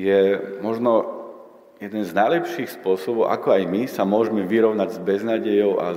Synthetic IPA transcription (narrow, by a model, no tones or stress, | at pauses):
jɛmɔʒnɔ | jɛd̪nɛnznajlɛpʃiːxspʊɔsɔbɔʊʔa̰kɔajmisamʊɔʒɛmɛʋiɾɔʊnaɟzbɛznaːɟɛjɔʊʔa̰